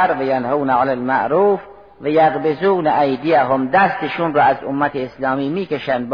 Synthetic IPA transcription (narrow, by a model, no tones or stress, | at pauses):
ɾvajanhaːnaʕalalmaʔɾuːf | vajaɣbɪzuːnaʔajd̪ijaɦomd̪æst̪eʃuːnrɑːazomːat̪ʰeːslɑːmiːmiːkeʃand̪̚b